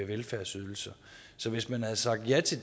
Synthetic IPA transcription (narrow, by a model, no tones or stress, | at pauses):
eʋelfæɐsyð̞ˠl̩sɐ | sɒ̽ʋe̝smænhæð̩ˠsɑ̈ɡ̥̚d̥jæt͡sʰe̝l